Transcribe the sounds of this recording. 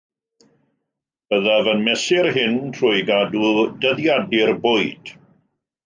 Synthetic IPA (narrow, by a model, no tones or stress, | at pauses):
b̥əðavənmɛsɪrɦɪntʰr̥ʊjɡadudəðjadɪrbʊjd̥